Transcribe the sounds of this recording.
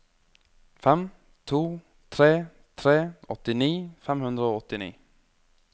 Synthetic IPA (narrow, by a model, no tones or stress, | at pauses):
fɛm | t̪ʰuː | t̪ʰɾeː | t̪ʰɾeːɔt̪ːɪniːfɛmhɵnd̪ɾaoːɔt̪ːɪnḭː